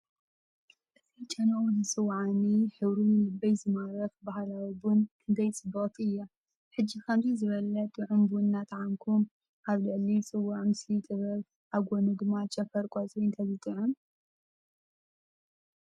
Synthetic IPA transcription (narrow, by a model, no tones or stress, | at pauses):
ʔɨt̪ʰit͡ʃʼɐnɐʔuzɨsʼɨwːʕaniħɨβɾumɨlɨbːɐjzɨmaɾɐfbahlawibunkʰɨnd̪ʰɐjt͡sʼɨbɨt̪ʰɨjːa | ħɨd͡ʒːikʰamzʰizɨβɐlɐt̪ʼːɨʕumbɨʊnːat̪ʕamkʰum | ʔaβlɨʕlit͡sʼɨwːaʕmɨslit̪ʼɨβɐβ | ʔaβɡonɨd̪ɨmat͡ʃʼɐfɐɾkʼazʼojnt̪ʰɐβit̪ʼɨʕum